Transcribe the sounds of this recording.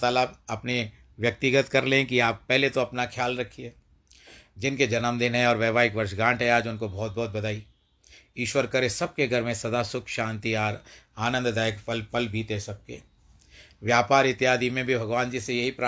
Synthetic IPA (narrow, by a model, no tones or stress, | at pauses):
t̪aːlaɐpne | ʋjɐk̚t̪iɡət̪kɐɾlẽkiaːpːɛɦlet̪oɐpnakʰjaːlɾɐkʰːiɦɛː | d͡ʒɪnked͡ʒɐnəmd̪ɪnɦɛɔːɾʋɛːʋaːɪkʋɐɾʃɡãːʈɦɛaːd͡ʒʊnkobɔːt̪̚bɔːt̪̚bɐd̪aːi | iːʃwəɾkɐɾesɐb̚keɡʱɐɾmẽsɐd̪aːsʊkʰʃãːnt̪iaːɾaːnə̃nd̪d̪aːjəkfɐlfɐlbʱiːt̪ɦɛsɐb̚kḛ | ʋjaːpaːɾɪt̪ːjaːd̪imẽbʱibʱɐɡʋaːnd͡ʒisejɐɦipɾa